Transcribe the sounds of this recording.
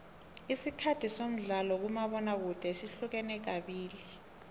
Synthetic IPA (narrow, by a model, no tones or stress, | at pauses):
isikʰatʰisom̩ɮalɔk̬umaɓɔnak̬ud̥ʱɛsiɬuk̬ɛnɛk̬aɓiːli